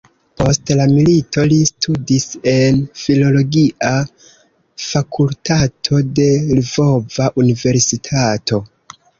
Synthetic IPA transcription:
po̞stlamilito̞listʰudise̞nfilo̞lo̞ɡiʔa | fakʰultʰatʰo̞de̞lvo̞vaʔunive̞ɾsitʰatʰo̞

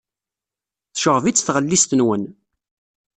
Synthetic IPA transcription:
θʃəʁvit͡sːθʁəlːist̪ənwən

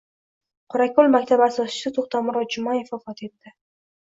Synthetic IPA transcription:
qʰoɾakʰolˠmakʲt̪ʰabasɒsɪ̥sat̪ʰoχt̪amʊɾɒd͡ʒʊmaɪfɒfɒt̪ʰe̞t̪ːɪ

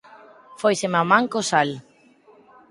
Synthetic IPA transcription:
fojsemamãŋkosal

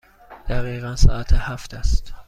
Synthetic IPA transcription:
d̪̥æɣiːɣænsɒ̰ːæt̪ʰehæft̪ʰæst̪

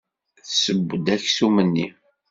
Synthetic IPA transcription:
θsəbːd̪æçsumənːi

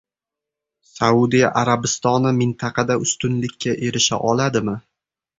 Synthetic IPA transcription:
saud̪ijaʔaɾabɪst̪ɒnɪmɪnt̪ʰɑqʰɑd̪aʔʊst̪ʊnlɪkʲʰːaʔe̞ɾɪʃa̰ʔɒlad̪ɪmɪ

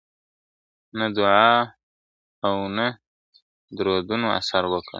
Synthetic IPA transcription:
nad̪ʊʕɑː | wna | d̪ɾod̪unoa̰saɾwəkə̰

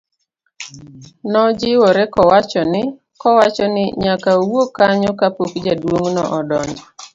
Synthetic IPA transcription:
nɔd͡ʒɪwoɾɛkɔwat͡ʃɔnɪ | kɔwat͡ʃɔnɪɲakawokaɲɔkapokd͡ʒadwoŋnɔʔɔdɔn

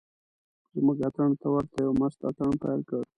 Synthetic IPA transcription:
d͡ʒɪmuɡat̪aɳt̪awaɾt̪ajawmast̪a̰t̪aɳpajlkəɽ

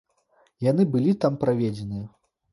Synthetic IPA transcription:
janɨbɨlʲit̪ampɾavʲɛd͡zʲɛnɨjɛ

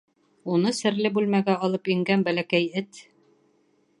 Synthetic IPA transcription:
unɤsɘ̆ɾlɘbʉlmæɡæɒlˠɤpiŋɡænbælækæjɘt̪

